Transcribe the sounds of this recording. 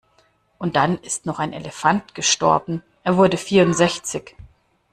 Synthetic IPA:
ʔʊnt̚d̥anɪstnɔχaɪnʔḛləfantɡ̥əʃtɔ̰ɐbm̩ | ʔeːɐvʊɐdəfiːɐʊntz̥ɛçt͡sɪç

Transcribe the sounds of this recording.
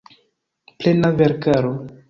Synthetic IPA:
plenaveɾkaɾo

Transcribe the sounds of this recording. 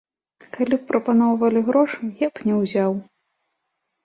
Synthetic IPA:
kalʲipːɾɐpanɔwvɐlʲiɣɾɔʂuɣʲɛpnʲɛwzʲaw

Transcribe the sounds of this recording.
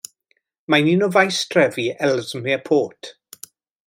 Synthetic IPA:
maninɔvajstʰrɛviɛlzmɛəpʰoːtʰ

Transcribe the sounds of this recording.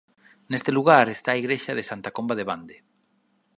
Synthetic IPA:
nest̪eluɣ̞aɾest̪aːiɣɾeʃað̞esant̪akombaðeβand̪e

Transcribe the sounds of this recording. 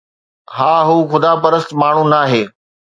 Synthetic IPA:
ɦaːɦuːxʊd̪aːpɐɾəst̪maːɳ̤ũnaːɦeː

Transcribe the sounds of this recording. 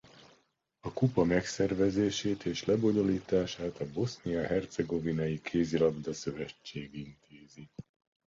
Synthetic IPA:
ɒkupɒmɛksɛrvɛzeːʃeːt̪ʰeːʃlɛbo̞ɲo̞liːt̪aːʃaːt̪ɒbo̞snijɒɦɛrt̪sɛɡo̞vinɒjikʰeːzilɒbd̪ɒsø̞vɛt͡ʃːeːɡint̪ʰeːzi

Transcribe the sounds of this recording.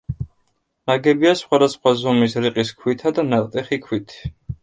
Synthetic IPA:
naɡɛbiasχwad̪asχwazɔmisɾiqʼiskʰwit̪ʰad̪anaqʼt̪ʼɛχikʰwit̪ʰ

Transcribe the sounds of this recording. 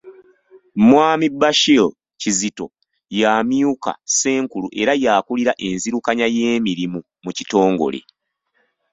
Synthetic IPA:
mwaːmibːaʃil | cizito̞ | jaːmjuka̰se̞ːŋkuluʔe̞ɾajaːkuliɾaʔe̞nziɾukaɲaje̞ːmiɾimu | mucito̞ːŋɡo̞̰le̞̰

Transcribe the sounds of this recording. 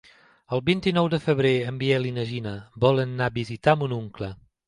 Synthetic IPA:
əlˠbint̪inɔwd̪əfəβɾeəmbiɛlinəʒinəbɔlənːabizit̪amunuŋklə

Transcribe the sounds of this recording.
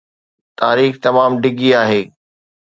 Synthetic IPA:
t̪aːɾiːxt̪ɐmaːmɖɪɡiaːɦeː

